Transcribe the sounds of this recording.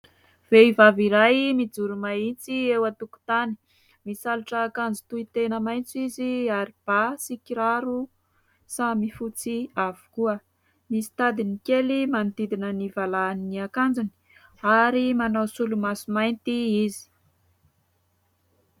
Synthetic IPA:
v̥eivaviɾajmid͡zuɾumait͡siewat̪uku̥t̪ani̥ | misaluʈ͡ʂaːkand͡zi̥t̪uit̪enəmajnt͡siziaɾib̥asikiɾaɾu | samifut͡siavu̥kuə | misi̥t̪ad̪inikelimand̪id̪inənivalaniniakand͡zuni̥ | aɾimanawsulumasumajnt̪iizi̥

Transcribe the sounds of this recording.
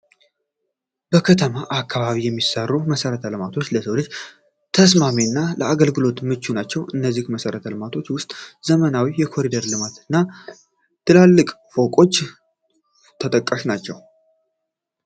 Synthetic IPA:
b̥əkʰət̪ʰəmaʔakːaβaβijɛmːisərːuməsəɾət̪ʰəlɨmat̪ʰo̞t͡ʃːləsəwlɨd͡ʒ | t̪ʰəs̬maminːalʔəaɡəlɡɨlo̞t̪mɨt͡ʃːunat͡ʃːɛwʔɨnːəzːihməsəɾət̪ʰəlɨmat̪ʰo̞t͡ʃːwʊst̪ʼz̥əmənawijɛkʰo̞ɾid̪əɾlɨmat̪ʰɨnːa | t̪ʰɨlalːɨkʼfo̞kʼo̞t͡ʃː | t̪ʰət̪ʼəkʼːəʃnat͡ʃːɛw

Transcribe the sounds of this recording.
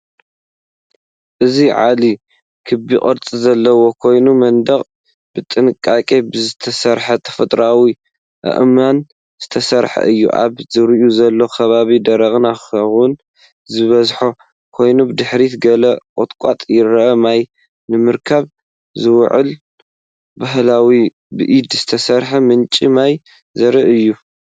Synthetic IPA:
ʔɨziʕa̰li | kʰɨbikʼɐɾt͡sʼizɐlːɐwo̞kʰo̞jnumɐnd̪ɐχʼ | b̥ɨt̪ʼɨnɨkʼːakʼebɨzɨt̪ʰɐsɐɾħɐt̪ʰɐ̥fɐt̪ʼɾawi | ʔɐ̰ʔman | z̥ɨt̪ʰɐsɐɾħɐ̰ʔɨjːṵʔa̰βzɨɾɨʔuzɐlːo̞kʰɐβaβid̪ɐɾɐɣʼnaɐwun | zɨβɐzħo̞ | kʰo̞jnubɨd̪ɨħɾit̪ɡɐlɐkʼot̪ʼkʼat̪ʼjɪɾɐʔɐmaj | nɨmɨɾkʰaβ | zɨwʕɨ̰l | baɦlawi | bɨʔid̪z̥ɨt̪ʰɐsɐɾħɐmɨnt͡ʃʼimaj | zɐɾɨʔɨjːu

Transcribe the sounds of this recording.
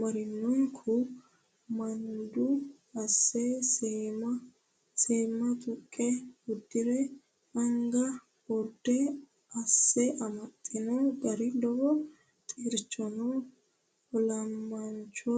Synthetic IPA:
mɐɾɪnːɔŋkʰʊ | mɐnd̪ʊ | ɐsːɛsmɐ | seːmɐt̪ʼʊkʼːɛʊd̪ːɪɾɛ | ɐŋɡɐ | ɔd̪ːɛ | ɐsːɛʔɐmɐt̪ʼːɪnɔɡɐɾɪd̪ɔbɔ | t̪ʼiːɾt͡ʃːɔnɔ | ɔlɐmːɐnt͡ʃːɔ

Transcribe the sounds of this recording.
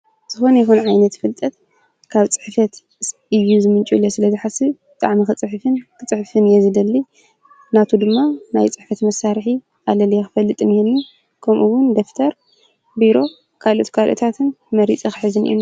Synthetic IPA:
z̥ɨxo̞nɐjɛxunʕajnɐt̪fɨlt̪ʼɐt̪ | kʰaβt͡sʼɨ̥ħfɐt̪ | ɨjːuzɨmɨnt͡ʃʼulːosɨlɐzɨħasibɨt̪ʼaʕmixɨt͡sʼɨħfɨnkʰɨt͡sʼɨħfɨnjɛzɨd̪ɐlːi | nat̪ʰud̪ɨmːanajt͡sʼɨħfɐt̪mɐsːaɾħi | alɐlijɛxɨfɐlːɨt̪ʼɨnjɛnːi | kʰɐmʔuwʊnd̪oft̪ʰɐɾ | biɾo̞ | kʰalo̞̰t̪kʰalʔo̰t̪ʰat̪ʰɨn | mɐɾit͡sʼixɨħɨzɨnḭʔḭm

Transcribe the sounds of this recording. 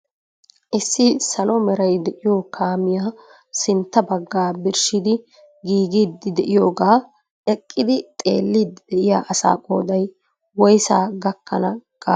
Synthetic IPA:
ʔɪsːɪsɐlɔmɛɾɐjd̪ɛʔɪjoːkʰaːmɪja | sɪnt̪ːɐbɐɡːaːbɪɾʃɪd̪ɪ | ɡiːɡiːd̪ːɪd̪ɛʔɪjo̞ːɡaː | ɛkʼːɪd̪ɪt̪ʼe̞̰ːlːiːd̪ɪd̪ɛʔɪja̰ːʔɐsa̰ːkʼoːd̪ɐj | wɔjsa̰ːɡɐkːɐnɐɡ̥ʼaː

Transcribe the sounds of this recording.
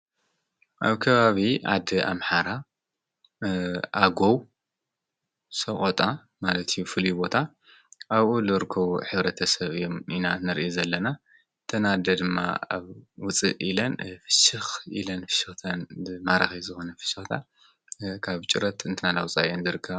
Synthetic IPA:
ʔaβkʰɐβaβiʔa̰d̪ɨʔa̰mħaɾa | ʔaɡow | sɐχʼot̪ʼa | malɐt̪ʰijːufɨlibo̞t̪ʰa | ʔaβulɨɾɨkʰːɐβṵħɨβɾɐt̪ʰɐsɐβɨjːominanɐɾʔozɐlːɐna | t̪ʰɐnad̪ɐd̪ɨmːa̰a̰βwʊt͡sʼɨ̰ʔilɐnfɨ̥ʃɨxḭlɐnfɨ̥ʃɨxt̪ʰɐnmaɾaxizɨxo̞nɐfɨ̥ʃɨxt̪ʰa̰ | kʰaβt͡ʃʼɨɾɐt̪ɨnt̪ʰɨnalawt͡sʼajenzɨɾɨkʰːɐβa

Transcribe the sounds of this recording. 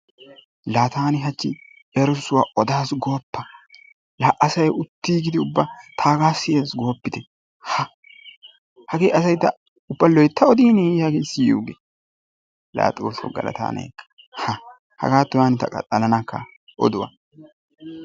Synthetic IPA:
laːt̪ʰaːnɪɦɐt͡ʃːɪ̰ | ɛɾʊsʊwaʔɔd̪aːsɡoːpːɐ | laːʔːɐsɐjɛʊt̪ːiːɡɪd̪ɪʊbːɐt̪ʰaːɡaːsɪjeːsɡo̞ːpːɪt̪ɛ | hɐ | hɐɡeːʔɐsɐjt̪ːɐ | ʊbːɐlɔjt̪ʰːɐɔd̪iːnihɐɡeːsɪjṵːɡe | la̰ːt̪ʼoːsɔ̰ɡɐ̰lɐ̰t̪a̰ːnɛ̰jkːɐ̥ | hɐ | hɐ̰ɡaːt̪ːʊwaːnɪt̪ɐ̰kʼɐ̰t̪ʼːɐlɐnɐkːɐ̰ | ʔɔ̰d̪ʊwɐ̰

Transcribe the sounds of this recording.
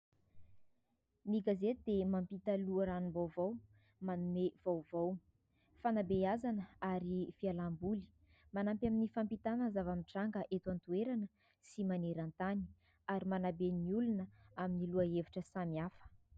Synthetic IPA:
miɡazet̪d̪emampit̪əluəɾanumbawvaw | manumev̥awvaw | fanabeazanəaɾifialambuli̥ | manampjaminifampit̪anəzavamiʈ͡ʂaŋɡəʔet̪want̪ueɾanə | simaneɾant̪ani̥ | aɾimanabeniulunəaminiluaeviʈ͡ʂəsamiafə̥

